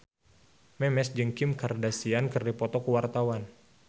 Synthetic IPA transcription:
mɛmɛsd͡ʒɨŋkɪmkardasiankərdipɔt̪ɔkəwart̪awan

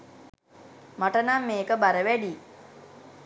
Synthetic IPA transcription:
maʈənamːeːkəbaɾəʋæɖiː

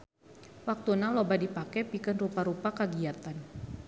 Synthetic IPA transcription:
wak̚t̪unalobadipakɛpikənrupaɾupakaɡiat̪an

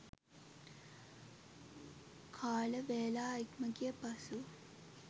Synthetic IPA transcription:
kʰaːlɐʋeːlaːikmɐkijɐpɐsu

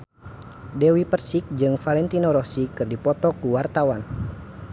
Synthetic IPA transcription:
dɛwipərsik̚d͡ʒɨŋfalɛnt̪inɔɾɔsikɨrdipɔt̪ɔkuwart̪awan

